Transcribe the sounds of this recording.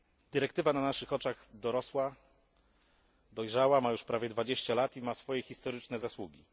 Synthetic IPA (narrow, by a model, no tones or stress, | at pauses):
d̪ɘɾɛkt̪ɘvananaʂɘxɔt͡ʂaɣd̪ɔɾɔswa | d̪ɔjʐawamajuʂpɾavʲjɛd̪vad͡ʑeɕt͡ɕalat̪imasfɔjɛxʲist̪ɔɾɘt͡ʂnɛzaswuɡʲi